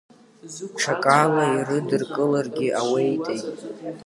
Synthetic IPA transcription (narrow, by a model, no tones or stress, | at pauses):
ʈ͡ʂʰakʼalairɨdɨrkʼɨlarɡʲɪʔawejtʼejtʼ